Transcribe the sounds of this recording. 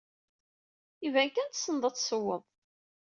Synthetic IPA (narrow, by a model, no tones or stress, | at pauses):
ivænkænt̪sːənd̪ˤɑt͡sːsəwːəðˤ